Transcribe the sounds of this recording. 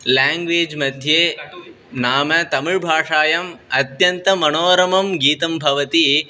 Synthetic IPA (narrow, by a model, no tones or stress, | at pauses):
laːŋɡʋeːd͡ʒmɐd̪ʱjeː | naːmɐt̪ɐmuɻbʱaːʂaːjɐmɐt̪jɐnt̪ɐmɐnoːɾɐmɐmɡiːt̪ɐmbʱɐʋɐt̪i